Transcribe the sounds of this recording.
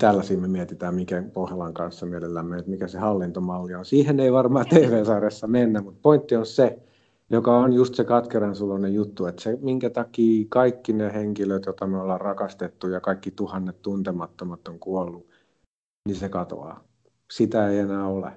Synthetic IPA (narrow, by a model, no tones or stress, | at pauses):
t̪ælːæsiːmemiɛt̪it̪æːmmikempohjɑlɑŋkɑnsːɑmiɛlelːæmmenet̪mikæsehɑlːint̪omɑlːionsiːheneiʋɑrmɑːt̪eːʋeːsɑːresːɑmenːæmmut̪̚point̪ːionse | jokɑonjust̪sekɑt̪kerɑnsulonejjut̪ːuet̪semiŋkæt̪ɑkiːkɑikːineheŋkiløt̪jot̪ɑmeolːɑːrrɑkɑst̪et̪ːujɑkɑikːit̪uhɑnːet̪t̪unt̪emɑt̪ːomɑt̪ːoŋkuolːu | nisekɑt̪o̰ɑ̰ː | sit̪æeienæːolḛ